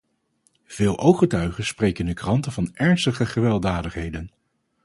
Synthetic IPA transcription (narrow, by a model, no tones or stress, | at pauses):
v̥ɪːlˠʔowχətœɥχənsprejkəndəkrɑntəvɑnɛɹnstəχəχəʋɛlˠdaːdəχɦejdən